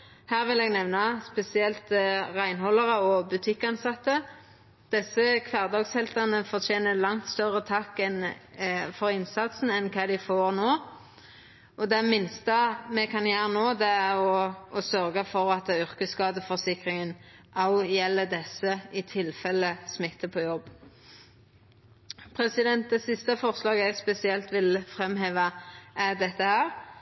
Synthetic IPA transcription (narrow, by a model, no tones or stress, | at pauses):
hæːʁʋɪlɛːɡnɛʋnɑspɛsɪɛlt̪ʁæɪnɦɔlːɑʁəɔbʉt̪ʰɪkːɑnsɑt̪ːə | d̪̥ɛsːəkʰʋæːʁd̪ɑɡshɛlt̪ɑnəfɔʁt̪ʰjeːnəlɑŋt̪st̪œʁət̪ʰɑkːɛn | fɔɾɪnsɑt̪sn̩ɛnkʰɑːd̪ɪɪfoːʁnoː | ʔɔd̪ɛmɪnst̪əmɛkʰɑnjæːɾənoːd̪ɛæɾɔːsœɾɡəfɔʁɑt̪ʏʁkəskɑːd̪əfɔsɪkɾɪŋən | ʔɑljɛlːəd̪ɛsəʔɪt̪ʰɪlfɛlːəsmɪt̪ːəpʰɔːjɔb | pʰɾɛsɪd̪ɛnt̪̚d̪ɛsɪst̪əfɔʁslɑːɡəɛɡspɛsɪɛlt̪ʋɪlfʁɛmɦeːʋɑʔæd̪ɛt̪ːəhæːɾ